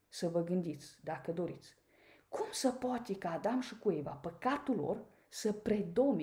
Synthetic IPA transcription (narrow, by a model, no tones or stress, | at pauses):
səvəɡɨnd̪it̪sd̪akəd̪o̞ɾit̪s | kumsəpoat̪ekaːd̪amʃikuevapəkat̪ulo̰r | səpɾe̞d̪o̞mi